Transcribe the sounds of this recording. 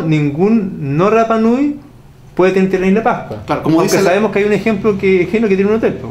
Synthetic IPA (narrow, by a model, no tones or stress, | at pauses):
nĩŋɡunnːorapanuj | pweðet̪eeɾt̪ereinepahkwalaɾokomookesaβemohkeajunexemplokexenoket̪jenunot̪elt̪o